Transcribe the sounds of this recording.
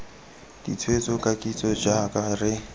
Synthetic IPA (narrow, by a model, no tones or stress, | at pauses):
d̥ḭt͡sʰwet͡sʼɔkʼakʼit͡sʼɔd͡ʒakʼarɪ